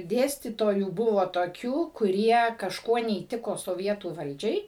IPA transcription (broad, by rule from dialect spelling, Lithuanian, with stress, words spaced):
ˈdʲeːsʲtʲiːtoːjuː ˈbʊʋoː toːˈkʲuː kʊˈrʲiɛ kɐʃˈkuɔ nʲɛiːˈtʲɪkoː soːˈʋʲiɛtuː ˈʋɐlʲd͡ʒʲɛɪ